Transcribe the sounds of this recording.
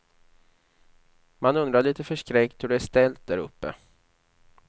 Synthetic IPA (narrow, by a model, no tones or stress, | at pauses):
manɵnd̪ɾaɭiːt̪əfœʂkɾɛkt̪hɵɖɛæʂt̪ɛlt̪̚d̪æɾɵ̰pːə̰